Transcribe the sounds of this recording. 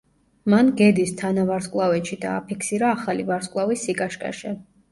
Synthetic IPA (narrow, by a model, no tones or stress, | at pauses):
manɡɛd̪ist̪ʰanavaɾskʼlˠavɛʃid̪a̰ːpʰikʰsiɾaːχalivaɾskʼlˠavisːikʼaʃkʼa̰ʃɛ